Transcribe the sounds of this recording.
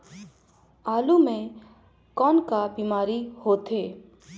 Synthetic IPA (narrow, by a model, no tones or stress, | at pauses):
aːlumẽ | kɔːnkabimaːɾihot̪e